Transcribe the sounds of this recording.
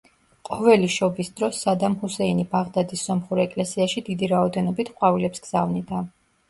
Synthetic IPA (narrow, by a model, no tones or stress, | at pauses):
qʼɔvɛliʃɔbisd̪̥ɾɔsːad̪amhusɛinibaʁd̪ad̪isːɔmχuɾɛkʼlɛsiaʃid̪id̪iɾaɔd̪ɛnɔbit̪ʰqʼwavilɛpsɡz̥avnid̪a